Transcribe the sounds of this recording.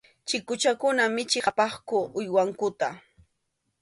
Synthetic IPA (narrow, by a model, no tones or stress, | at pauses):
t͡ʃɪkʊt͡ʃakʊnamɪt͡ʃɪqapɑχkʊʔʊjwaŋkʊt̪a